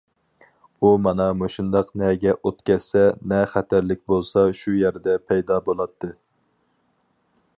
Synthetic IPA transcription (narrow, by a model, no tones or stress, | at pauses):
umɑnɑmoʃund̪ɑqnɛɡʲɛʔot̪kʲɛssɛnɛχæt̪ʰæɾlɪk̚ʲbolˠsɑʃujæɾd̪ɛpʰɛjd̪ɑbolˠɑt̪ʰːɨ